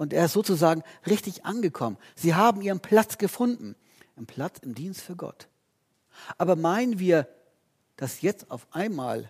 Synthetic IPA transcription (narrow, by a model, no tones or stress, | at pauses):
ʔʊnteːɐɪstz̥oːt͡suzaːɡŋ̩ʁɪçtɪçʔa̰nɡəkʰɔmən | z̥iːɦaːbm̩iːʁənpʰl̥at͡sɡ̥əfʊndn̩ | ʔɪmpʰl̥at͡sɪmdiːnstfyːɐɡɔ̰t | ʔaːbɐmaɪnənviːɐ | d̥asjɛt͡sta̰ʊfʔaɪnma̰ːl